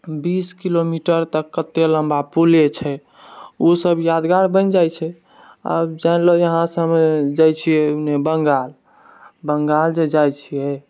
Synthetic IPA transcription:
biskilomiʈəɾt̪əkːət̪ːeləmbapulet͡ʃʰɛ | osəbjad̪ɡaɾbənd͡ʒajt͡ʃʰɛ | a̰bd͡ʒanlojəɦãsəmed͡ʒajt͡ʃʰiɛnebəŋɡal | bəŋɡald͡ʒed͡ʒajt͡ʃʰijɛ

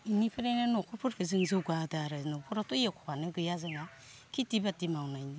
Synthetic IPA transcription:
inipʰɯɾejnanɔkʰɔpʰuɾkʰɯzɯŋzɯɡadaɾɯnɔpʰɔɾatɔjakʰɔwanɯɡɯjazaŋa | kʰitibatimawnajni

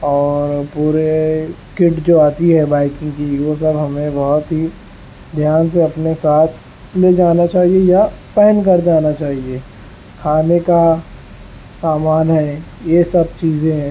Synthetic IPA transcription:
ɔːɾpuːɾe | kɪʈd͡ʒoːaːt̪iɦɛbaːɪkɪ̃ŋɡkiwos̬ɐbɦɐmẽbɔɦʊt̪ɦi | d̪ʱjaːns̬eɐpnesaːt̪ʰ | led͡ʒaːnat͡ʃaːɦiejapɛːənk̬ɐɾd͡ʒaːnat͡ʃaːɦie | kʰaːneka | saːmaːnɦɛ̃jesɐb̚t͡ʃiːzẽɦɛ̃ː

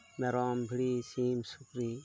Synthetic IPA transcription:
mɛɾɔːmbʱiɽiːsiːmsukɾiː

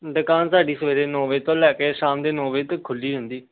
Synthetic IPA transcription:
ɖ̪əkaːnsaːɖiːsəʋeːd̪eːnõːʋeːt̪õːlɛːkeːʃaːmd̪eːnõːʋeːt̪əkʰːʊlːiːɦə̃nd̪iː

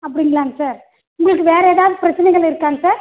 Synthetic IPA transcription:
ɐpːɐɽɪŋɡɐɭaːŋɡɐsaːɾ | ʊŋɡɐɭɯkːɯʋeːɾɐeːðaːʋðɯpɪɾɐt͡ʃːɐnɛɪɡɐɭɪɾɯkːaːŋɡɐsaːɾ

